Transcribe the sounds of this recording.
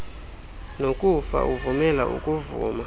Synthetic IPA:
nokʼufa̰ʔuvumɛla̰ʔṵkʼuvṵːma

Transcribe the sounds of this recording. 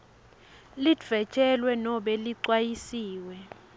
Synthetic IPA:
lidv̥ɛt͡ʃʰʼɛlwɛnɔɓɛliǀwajisiːwɛ

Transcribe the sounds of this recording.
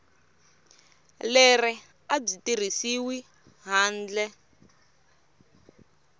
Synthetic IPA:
lɛrɛ | ab͡ʐitir̤isiwi | ɦaːnd͡ɮɛ

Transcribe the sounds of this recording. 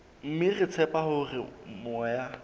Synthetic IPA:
m̩mɪrɪt͡sʰɛpʼahʊrɪmɔja

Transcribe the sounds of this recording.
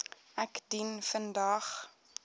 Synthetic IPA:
ʔækdinfəndɑːχ

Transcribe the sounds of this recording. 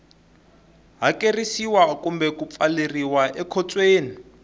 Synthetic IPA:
ɦakerisiwakumbɛkup̪faleriwaʔɛkʰɔt͡sʼweːni

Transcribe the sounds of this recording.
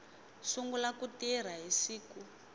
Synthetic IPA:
suŋɡulakutiɛɾ̤aɦisiːku

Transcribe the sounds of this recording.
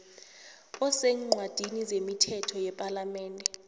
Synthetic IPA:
ɔsɛŋ͡ǃʱwad̥ʱinizemitʰɛtʰɔjɛpʼalamɛːndʱɛ

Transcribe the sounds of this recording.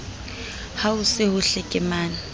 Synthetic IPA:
haʊsɪhʊɬekʼɪmaːn

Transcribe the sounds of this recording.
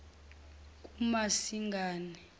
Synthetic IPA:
k̬ʼumasiŋɡʱaːnɛ

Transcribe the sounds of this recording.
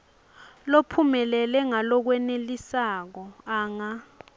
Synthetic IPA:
lopʰumɛlɛlɛŋalɔk̬wɛnelisak̬ɔaːŋa

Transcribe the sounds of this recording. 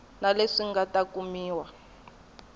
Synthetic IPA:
naleʂiŋɡatakumiːwa

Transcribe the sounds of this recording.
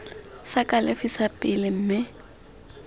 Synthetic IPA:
sakʼalɪfisapʼɪlɪm̩ːmɪ

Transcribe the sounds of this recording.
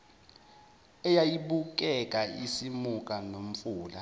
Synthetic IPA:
ɛjajiɓuk̬ʼɛkʼaisimukʼanom̩fuːla

